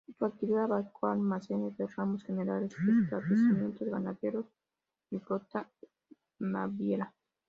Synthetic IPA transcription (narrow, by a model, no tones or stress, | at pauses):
t̪uak̚t̪iβiðaβakʰoalmasenezd̪eramosxeneɾaɾesest̪ɾaβlesimjent̪ozɡanaðjeɾos | ifɾot̪a | ma̰βjela